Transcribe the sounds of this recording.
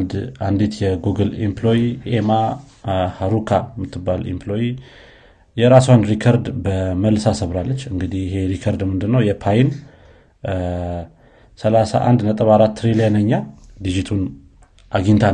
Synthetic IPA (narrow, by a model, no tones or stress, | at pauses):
nd̪and̪it̪jɛɡuɡəlḭmplo̞jiʔema | haɾukʰamːɨt̪ʰːɨbːalḭmplo̞ji | jɛɾaswand̪ɾikʰəɾd̪bəməlsasəβɾalːət͡ʃːɨŋɡɨd̪ihɪɦe̞ɾikʰəɾd̪mɨnd̪ɨnːəwjɛpʰajin | səlasa̰ʔa̰nd̪nət̪ʼəβaɾat̪ːɨɾiljanəɲːad̪id͡ʒit̪ʰun | ʔaɡint̪ʰa